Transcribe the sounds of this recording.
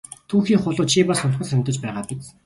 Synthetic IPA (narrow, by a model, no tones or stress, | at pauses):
t̪ʰuːxiːŋχʊɮʊːt͡ɕʰipasʊn̆χə̆sænʲt̪ə̆t͡ɕpæːʁaːpit͡s̪